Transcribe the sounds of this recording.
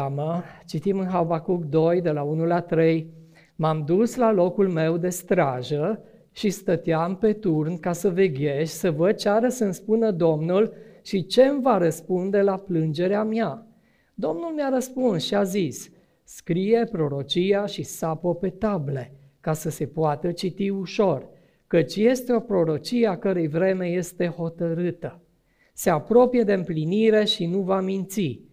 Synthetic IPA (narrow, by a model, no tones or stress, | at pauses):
mət͡ʃit̪imɨnɦabakuɡd̪o̞jd̪e̞launulat̪ɾej | mamd̪uslalo̞kulme̞wd̪e̞st̪ɾaʒə | ʃist̪ət̪eampe̞t̪urnkasəve̞ɡʲe̞ʃʲsəvət͡ʃaɾəsəɨnspunəd̪o̞mnulʃit͡ʃe̞mvaɾəspund̪e̞laplɨnd͡ʒe̞ɾeamja | d̪o̞mnulmjaɾəspunsʃiazis | skɾije̞pɾo̞ɾo̞t͡ʃijaʃisapəpe̞t̪able̞ | kasəse̞poat̪ət͡ʃit̪iuʃo̞r | kət͡ʃʲje̞st̪eo̞pɾo̞ɾo̞t͡ʃieakəɾejvɾe̞me̞je̞st̪e̞ho̞t̪əɾɨt̪ə | se̞apɾo̞pije̞d̪e̞ɨmpliniɾe̞ʃinuvamint̪si